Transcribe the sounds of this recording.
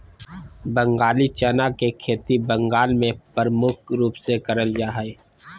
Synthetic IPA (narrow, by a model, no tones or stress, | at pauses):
bə̃ŋɡaːlit͡ʃənakekʰeːt̪ibə̃ŋɡaːlmẽpəɾmʊk̚ʰɾuːpsekəɾəljaːɦɛe